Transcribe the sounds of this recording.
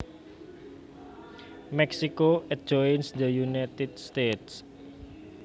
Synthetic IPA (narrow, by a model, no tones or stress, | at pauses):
mɛksikoɛ̥d͡ʒɔjnsd̪əjunat̪ɪd̪̚st̪et̪s